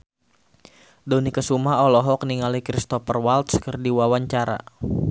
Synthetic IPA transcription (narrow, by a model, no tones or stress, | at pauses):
donikəsumaɔlɔɦɔk̚niŋalikɾist̪ɔfərwalt̪̚sə̥kərdiwawaɲt͡ʃaɾa̰